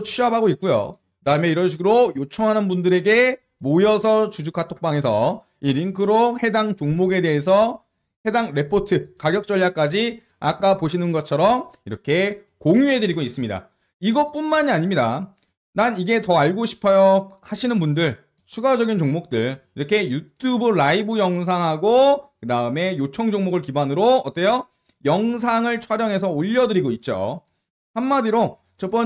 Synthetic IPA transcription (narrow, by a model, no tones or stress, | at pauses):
t͡ɕʰuɦabaɡoitk̚k͈ujo̰ | daɯmeiɾʌnɕ̬ʰiɡɯɾojot͡ɕʰʌŋɦanɯnbundɯɾe̞ɡe̞ | mojʌsʰʌt͡ɕud͡ʑukʰatʰok̚p͈aŋe̞s̬ʰʌ̰ | iɾiŋkʰɯɾohe̞daŋt͡ɕoŋmoɡe̞de̞ɦes̬ʰʌ | he̞daŋɾe̞pʰotʰɯkaɡjʌk̚t͡ɕ͈ʌʎjak͈̚ad͡ʑi | a̰k͈apoɕʰinɯnɡʌt̚t͡ɕʰʌɾʌmiɾʌkʰe̞ | koŋuɦe̞dɯɾiɡois͈ɯmɲida̰ | iɡʌp͈unmaɲiaɲimɲida | naniɡe̞tʌaɭɡoɕʰi̥pʰʌjʌhaɕʰinɯnbundɯɭ | t͡ɕʰuɡad͡ʑʌɡint͡ɕoŋmok̚t͈ɯɭiɾʌkʰe̞jutʰubɯɭaibɯjʌŋs̬ʰaŋɦaɡokɯdaɯme̞jot͡ɕʰʌŋd͡ʑoŋmoɡɯɭkibanɯɾoʌt͈ejʌ | jʌŋs̬ʰaŋɯɭt͡ɕʰwaɾjʌŋɦe̞s̬ʰʌoʎːʌdɯɾiɡoit̚t͡ɕ͈o̰ | hanːadiɾo | t͡ɕʌp͈ʌ